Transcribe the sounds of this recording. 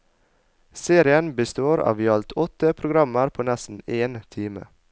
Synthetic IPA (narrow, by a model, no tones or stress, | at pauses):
seːɾɪənbəst̪oːɾɑ̰ːʋjɑlt̪ʰɔt̪əpʰɾʊɡɾɑməɾpʰoːnɛsn̩eːnt̪ʰiːmə̰